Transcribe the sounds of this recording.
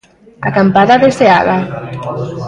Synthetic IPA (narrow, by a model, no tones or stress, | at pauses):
a̰kampaðaðesea̰ða